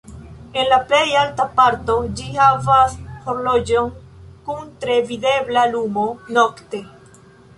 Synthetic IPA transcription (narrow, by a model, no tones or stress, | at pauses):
e̞nlaplejaltapaɾt̪o̞d͡ʒihavashoɾlod͡ʒoŋ | kunt̪ɾe̞vide̞blalumo̞nokte̞